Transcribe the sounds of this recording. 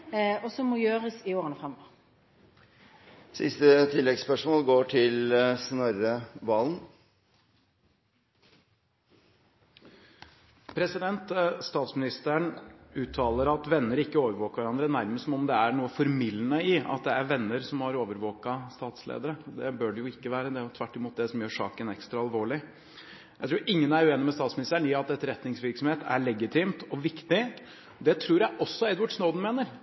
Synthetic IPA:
ɔsɔmɔjøːʁəsɪoːʁənəfʁɛmːɔ | sɪ̰st̪ət̪ʰɪlːɛɡspœʂmoːlɡoːʈʰɪlsnɔɾəʋɑːln̩ | pʰɾɛsɪd̪ɛnt̪st̪ɑːt̪smɪnɪst̪əəɳʉːt̪ʰːɑːlˠəɾɑt̪ʋɛnːəɾɪkːəoːʋəɾʋoːkəʋæɾɑnd̪ɾənæɾməsɔmɔmd̪ɛæɳuːəfɔɾmɪlːənəɪɑ̰t̪d̪ɛæɾʋɛnːəɾsɔmhɑɾoːʋəɾʋoːkɑst̪ɑːt̪slḛːd̪əɾəd̪ɛbøːɖɛjʊɪkːəʋæːɾəd̪ɛʊt̪ʰʋæʈːɪmuːt̪̚d̪ɛsɔmjøːʂɑ̰ːkənɛ̰kst̪ɾɑɑlʋoːɭɪ | jæɪt̪ɾuːɾʔɪŋːənæɾʉːeːnɪmɛst̪ɑːt̪smɪnɪst̪əɳɪɑt̪̚d̪ɛt̪ːəɾɛt̪nɪŋsʋɪɾksɔmheːt̪ʰæ̰ɭɛɡɪt̪ʰɪːmt̪ɔʋɪkt̪ɪ | d̪ɛt̪ʰɾuːɾjæʔɔsːɔɛd̪ʋʊɖsnoːd̪n̩meːnəɾ

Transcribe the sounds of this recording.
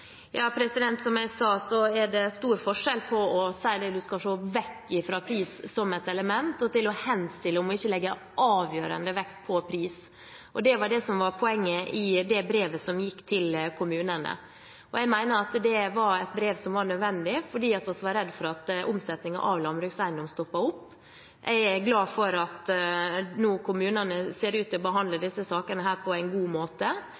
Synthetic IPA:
jɑːpʰɾɛsɪd̪ɛnt̪sɔmjæɪsɑːsɔɛɖɛst̪uːɾfɔʂɛlpʰɔɔsæɪd̪ɛd̪ʉskɑʂoːʋɛkːɪfɾɑpʰɾiːssɔmɛt̪ɛləmɛnt̪ɔt̪ɪlɔhɛnst̪ɪlːəɔmɔɪçːəlɛɡːə | ʔɑːʋjøːɾə̰nd̪əʋɛkt̪pʰɔpʰɾiːs | ʔɔd̪ɛʋɑɖɛsɔmʋɑɾpʰɔɛŋːəʔɪd̪ɛbɾeːʋəsɔmjɪkːt̪ʰɪlkʰʊmʉːnənə̰ | ɔjɛɡmæɪnəɑt̪d̪ɛʋɑɾɛt̪̚bɾeːʋsɔmʋɑɾɳœd̪ʋɛnd̪ɪfɔɖiːɑt̪ɔsʋɑɾɛd̪ːfɔɾɑt̪ʔʊmsɛt̪nɪŋɑ̰ʔɑʋlɑnbɾʉːɡsæɪnd̪ɔmst̪ɔpːɑʊpː | ʔæɪɡlɑːfɔɾɑt̪ | nuːkʰʊmʉːnənəseːɾʉːt̪ɪɔbəɦɑnd̪ləd̪ɪsːəsɑːkənəɦæːɾpʰɔæɪnɡuːmoːt̪ə

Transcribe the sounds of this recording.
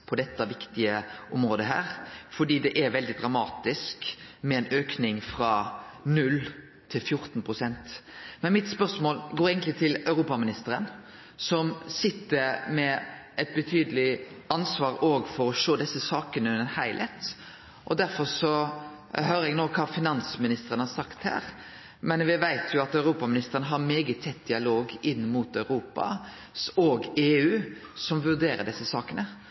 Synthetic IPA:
pʰɔd̪ɛt̪ːɑʋɪkt̪ɪəʔʊmɾoːd̪əɦæ̰ːɾfɔɖiːd̪ɛʔɛɾʋɛld̪ɪd̪ɾɑmɑːt̪ɪskmɛɛnøːknɪŋfɾɑnʉlː | t̪ʰːɪlfjʊɾt̪n̩pʰʁʊsɛnt̪mɛnmɪt̪spœɾsmoːlɡoːɾeːɡənt̪lɪt̪ʰɪlœʉɾuːpɑmɪnɪst̪əɾən | sɔmsɪt̪ːəɾmɛʔɛt̪̚bət̪ʰyːd̪əlɪ | ɑnsʋɑːɾoːɡfɔɾɔʃoːd̪ɛsːəsɑːkənəʉnəhæɪlʔət̪ | ʔɔd̪æɾfɔɾʂɔ | høːɾəɛɡnoːkʰɑːfɪnɑnsmɪnɪst̪əɾənəhɑɾsɑkt̪hæ̰ːɾ | mɛnʋɪʋæɪt̪ʰjʊɑt̪œʉɾuːpɑmɪnɪst̪əɾənəɦɑɾmeːɡət̪ʰːɛt̪̚ːd̪ɪɑloːɡɪnːmut̪ɑʉɾuːpɑ̰ | soːɡeːʉːsɔmʋʉɾd̪eːɾə̰ɖɛsːəsɑːkənə

